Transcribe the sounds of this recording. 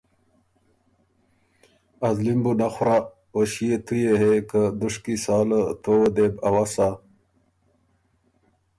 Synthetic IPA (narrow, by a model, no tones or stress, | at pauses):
ɐzlimbunaxɾa | woɕijet̪ʰujeɦekəd̪uʂkisaːlət̪owəd̪ebɐwasa